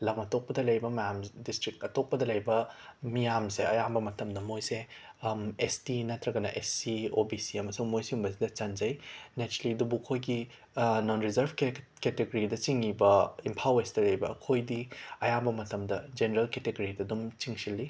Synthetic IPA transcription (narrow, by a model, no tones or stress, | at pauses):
lɐmɐtʰok̚pɐdɐlɐjbɐmɐjamdistɾikɐtok̚pɐdɐlɐjbɐmijamseɐ̰jambɐmɐtʰɐmdɐmojse | estinɐtɾɐɡɐnɐʔesiobisiɐmɐsuŋmojsiumbɐsidɐt͡ʃɐnd͡ʒɐjnet͡ʃɾɐlidubukʰːojɡi | nonɾizɐɾbʱk | keteɡoɾidɐt͡ʃiŋibɐimpʰawesdɐlɐjbɐ̰kʰojdiɐjambɐmɐtʰɐmdɐd͡ʒeneɾɐlketeɡoɾidɐdumt͡ʃiŋsilːi